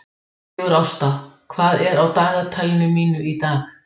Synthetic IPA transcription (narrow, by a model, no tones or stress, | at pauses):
ɣʏɾawst̪akʰvaːðɛɾawt̪aːɣat̪ʰajlnʏmiːnʏit̪aːɣ